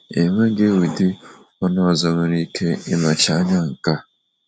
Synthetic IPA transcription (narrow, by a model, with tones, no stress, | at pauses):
e˨ŋʷe˦ɡe˦wu˨dɪ˦ | ɔ˦nɔ˦˨zɔ˨mʊ˨ɾi˦kʰe˦ɪ˦nɔ˨t͡ʃa˨˦ɲa˦ŋ̩˨ka˦